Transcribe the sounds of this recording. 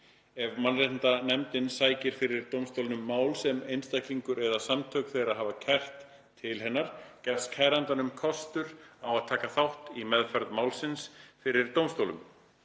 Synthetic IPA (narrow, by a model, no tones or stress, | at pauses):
ɛvmanrehnt̪anɛmt̪ɪnsaːjcɪɾ̥fɪɾɪɾt̪owmst̪owlɪnʏmːaːwlsɛmejnst̪ajkliŋkʏɾɛðasamt̪ʰœːkθejɾaɦaːvacʰɛr̥t̪ʰː | ɪlɦɛnːaɾ̥cɛ̥skʰaːjɾant̪anʏmkʰɔst̪ʏɾawaðt̪ʰaːkaθawht̪imɛðfɛɾðmaːwlsɪnsfɪɾɪɾ̥t̪owmst̪owlʏm